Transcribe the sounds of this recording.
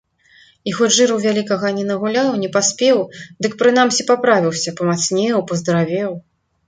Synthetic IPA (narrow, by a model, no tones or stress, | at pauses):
ixɔd͡zʐɨɾɐwvʲalʲikɐɣɐnʲɛnɐɣulʲawnʲɛpasʲpʲɛwd̪ɨkpɾɨn̪amsʲipapɾavʲiwsʲɐpɐmat̪snʲɛwpɐzd̪ɾavʲɛw